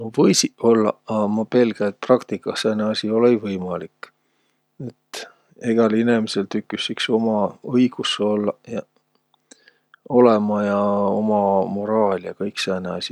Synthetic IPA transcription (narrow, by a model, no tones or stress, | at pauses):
novɤjsiʔo̞lːɑ̰ɑmɑpe̞lɡ̥ejt̪̚prɑkt̪ikːˑɑseneɑsʲio̞lejvɤjmɑlikˑː | et̪ | eɡ̥ɑlinemise̞lt̪ykːysːikso̞mɑɤjɡ̥usːeolːɑjɑ | o̞le̞mɑjɑo̞mɑmo̞ɾɑːlʲjɑkɤjkseæneɑ̰sʲi